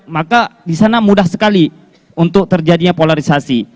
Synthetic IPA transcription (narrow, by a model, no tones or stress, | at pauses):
makadisanamudahsəkali | unt̪ʊk̚t̪ərd͡ʒadiɲapolaɾisasi